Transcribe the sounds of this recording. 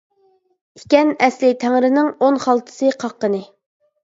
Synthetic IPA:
ikʲɛnɛslɪt̪ʰæŋɾɪnɪŋonχɑlˠt̪ʰɨ̥sɨqʰɑqːənɨ

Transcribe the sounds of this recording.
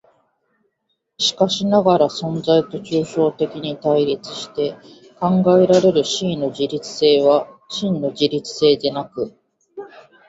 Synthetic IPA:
ɕi̥kaɕinaɡaɾasõ̞nd͡zait̪o̞t͡ɕɨːɕo̞ːt̪e̞kʲiɲ̟it̪aiɾʲit͡sɨ̥ɕi̥t̪e̞ | kãŋɡae̞ɾaɾe̞ɾɯ̟ɕiːno̞ʑiɾʲit͡sɨ̥se̞ːβaɕĩnːo̞d͡ʑiɾʲit͡sɨ̥se̞ːd̪e̞nakɯ̟

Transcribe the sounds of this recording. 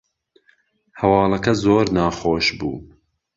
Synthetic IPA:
hɐwɑːlˠɐkɐzoːɾnɑːxoːʃbṵː

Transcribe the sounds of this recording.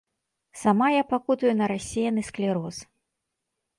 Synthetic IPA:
samajapakut̪ɐjunɐɾasʲejɐnɨsklʲɛɾɔs

